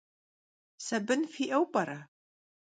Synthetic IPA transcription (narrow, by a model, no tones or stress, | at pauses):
sɐbɨnfiːʔɐwpʼɐɾa